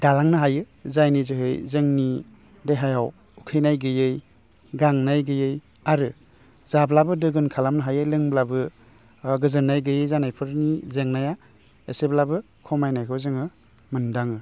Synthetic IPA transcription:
d̥alaŋnɯɦajɯ | zajnizɯɦɯjzɯŋni | dejɦajaw | ukʰɯjnajɡɯjɯj | ɡaŋnajɡɯjɯj | aɾɯ | zablabɯdɯɡɯnkʰalamnɯɦajɯjlɯŋblabɯ | ɡɯzɯnːajɡɯjɯjzanajpʰɯɾnizeŋnaja | eseblabɯ | kʰɔmajnajkʰɯwzɯŋɯ | mɯndaŋɯ

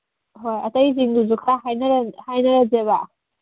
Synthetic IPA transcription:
ɦojɐtɐjziŋduzukʰaɦajnɐɾɐhajnɐɾɐzeβa

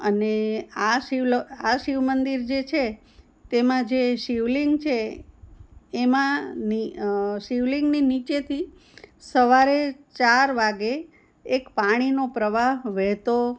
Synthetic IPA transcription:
əneaʃiʋlaʃiʋmənd̪iɾd͡ʒet͡ʃʰe | t̪emãd͡ʒeʃiʋliŋɡt͡ʃʰe | mãniʃiʋliŋɡninit͡ʃet̪ʰi | səʋaɾet͡ʃaɾʋaɡeː | kpaɽ̃inopɾəʋaɦʋɛɦt̪o

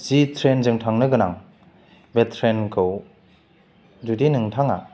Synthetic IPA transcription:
zitʰɾenzɯŋtʰaŋnɯɡɯnaŋ | betʰɾenkʰɯw | d͡ʒudinɯŋtʰaŋa̰

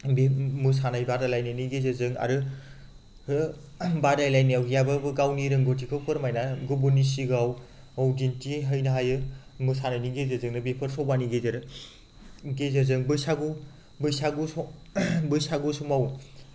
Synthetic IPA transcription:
bemɯs̬anajbadajlajnajniɡezɯzɯŋa̰ɾɯ | ɯ | badajlajnijawjababɯɡawniɾɯŋɡotʰikʰɯwpʰɯɾmajnaɡɯbunisiɡaw | awdintiɦəjnaɦajɯmɯsananiɡezezɯŋnɯbepʰɯɾsʰɔwbaniɡezeɾ | ɡezazɯŋbɯsaɡu | bɯjsaɡus | bɯjsaɡusumaw

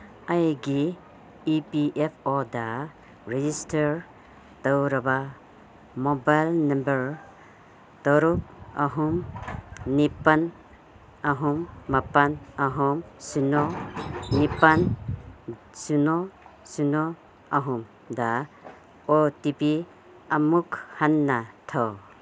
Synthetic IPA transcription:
ajɡiː | piʔepʰoda | ɾed͡ʒistʰaɾ | tawɾaba | mobajlnɐmbɐɾ | tɔɾuk̚aɦum | nipan | aɦumːapanaɦumsunɔnipan | sunɔsunɔ | aɦum | da | otipi | amukhanːatʰaw

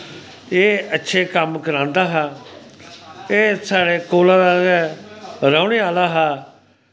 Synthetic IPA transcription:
eːətːʃʰeːkəmkəɾãːnd̪aːɦaː | eːsaːɽeːkoːlãːd̪aː | ɾaːɽeːaːlaːɦaː

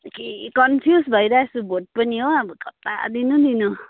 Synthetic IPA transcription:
kekʌnpʰjusbʱʌiɾaesubʱoʈ̚pʌniɦoʌbʌkʌt̪ːa̰d̪inũd̪inu

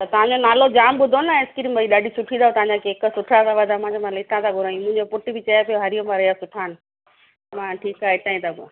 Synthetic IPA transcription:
t̪ɐt̪ɐʋ̤ãɲd͡ʑonaːlod͡ʑaːmɓʊd̪ʱonaɪskɪɾiːmbʱɐiɗaːɖʱisʊʈʰĩnd̪aːot̪ɐʋ̤ãɲd͡ʑakeːksʊʈʰat̪aʋɐd̪ʱamãd͡ʑomalɪt̪ãt̪aɡʱʊɾaːĩmʊ̃ɦɪ̃ɲd͡ʑopʊʈibɪt͡ɕɐjapijoɦɐɾijomaɾɐijasʊʈʰaːnɪ̆ | mãːʈʰiːkaːɦeɪt̪aːĩt̪ʰabo

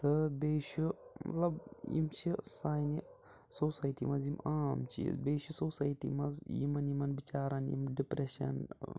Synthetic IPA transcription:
t̪ʰɨbeːʃumɐ̰t̪lɐbjḭmt͡ʃʰisaːjni | soːsaːjʈḭmɐzjimaːmt͡ʃʰḭzbeːʃusoːsaːjʈḭmɐzjimɐnimɐnbit͡ʃaːɾɐnjḭmɖipɾeʃɐ̰n

